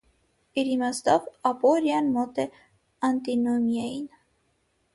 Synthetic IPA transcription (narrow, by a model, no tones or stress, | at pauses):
iɾimɑsd̪ɑvɑpɔɾjɑnmɔt̪ɛ | ɑnt̪inɔmjɑjin